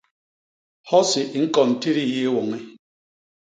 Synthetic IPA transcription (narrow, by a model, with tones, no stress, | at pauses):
hɔ˦si˨ŋ̩˦kɔ˨n̩˨ti˦ɾi˦˨je˦wɔ˨ŋe˦